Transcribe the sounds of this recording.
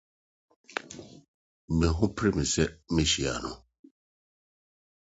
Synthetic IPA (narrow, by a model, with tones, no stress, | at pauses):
me˨ɦʊ˦pɾe˦mi˨se˦me˦ʃi˨a̰˨nʊ˨